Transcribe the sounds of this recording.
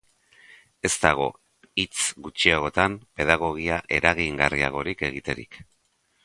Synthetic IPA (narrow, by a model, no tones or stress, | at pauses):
e̞st̪aɣ̞o̞ | it͡sɡut͡ʃiaɣ̞o̞t̪ampe̞ðaɣ̞o̞ɣ̞iaʔe̞ɾaɣiŋɡaria̰ɣ̞o̞ɾike̞ɣit̪e̞ɾḭk